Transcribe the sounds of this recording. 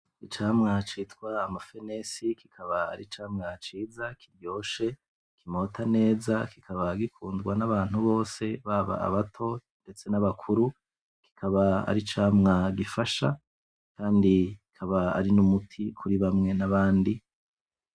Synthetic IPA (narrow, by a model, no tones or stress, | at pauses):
it͡ʃaːmŋat͡ʃitwaːmafe̞ne̞sikikʰaβaa̰ɾit͡ʃaːmŋat͡ʃiːzakʰiɾjo̞ːʃe̞ | kimo̞ːtʰane̞ːzakikʰaβaɡikuːndɡwanaβaːn̥huβo̞ːse̞βaβa̰ːβatʰo̞nde̞t͡se̞naβakʰuɾu | ki̥kʰaβaa̰ɾit͡ʃaːmŋaɡifaʃa̰ | kʰaːndikikʰaβaa̰ɾinumutʰikʰuɾiβamŋe̞naβaːndi